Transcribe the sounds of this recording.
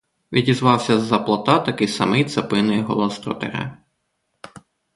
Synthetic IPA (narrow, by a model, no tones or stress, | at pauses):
ʋʲidʲizʋɑwsʲɐzːɐplˠɐt̪ɑt̪ɐkɪjsɐ̰mɪjt̪sɐpɪnɪjɦɔ̰lˠɔst̪ɾɔ̰t̪ḛɾɛ̰